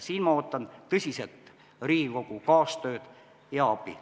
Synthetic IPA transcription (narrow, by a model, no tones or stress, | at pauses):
siːnmɑoːt̪ːɑnt̪ɤsʲiset̪ | riːikokukɑːst̪øːt̪ | jɑɑpḭ